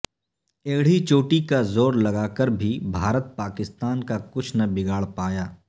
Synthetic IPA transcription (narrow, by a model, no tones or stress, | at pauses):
eːɽ̤it͡ʃoːʈikazoːɾlɐɡaːkəɾbʱibʱaːɾət̪̚paːkɪst̪aːnkakʊt͡ʃʰnɐbɪɡaːɭpaːjaː